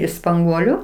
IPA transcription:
ɪʃ spɐŋˈɡuɔlʲʊ

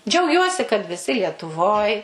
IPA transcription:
d͡ʒʲɛʊˈɡʲuɔsʲɪ kɐt ʋʲɪˈsʲɪ lʲiɛtʊˈʋoːj

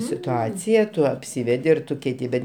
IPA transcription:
sʲɪtʊˈɑːt͡sʲɪjɛ ˈtʊ ɐpʲˈsʲɪʋʲɛdʲɪ ɪr ˈtʊ kʲɛɪˈtʲɪ ˈbʲɛt

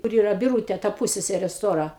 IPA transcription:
kʊr ˈiːrɐ bʲɪˈruːtʲeː tɐ ˈpʊsʲsʲɛsʲɛrʲeː ˈstoːrɐ

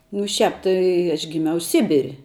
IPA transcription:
nʊ ˈʃʲæːp ˈtɐɪ ɐʃ ɡʲɪˈmʲɛʊ ˈsʲɪbʲɪrʲ

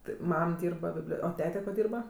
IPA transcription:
tʲɪ ˈmɐm ˈdʲiːrbɐ ˈbʲɪbʲlʲoː oː ˈtʲæːtʲɛ koː ˈdʲiːrbɐ

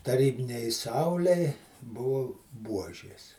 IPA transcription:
tɐˈrʲiːbʲɪnʲɛɪ ˈsɐʊlʲɛɪ ˈbʊʋʊ ˈbuɔʒʲeːs

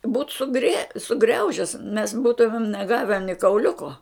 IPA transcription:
buːt sʊˈɡrʲiɛ sʊˈɡrʲɛʊʒʲɛs mʲɛs ˈbuːtʊmʲɪm nʲɛˈɡɑːʋʲɛ nʲɪ kɐʊˈlʲʊkoː

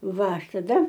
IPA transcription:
ˈʋɐ ˈɐʃ tɐˈdɐ

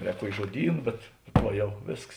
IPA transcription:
ˈrʲɛːk ˈkuɔkʲɪ ʒuɔˈdʲiːn bʲɛt ˈʋɐ ˈjɛʊ ˈʋʲeːsks

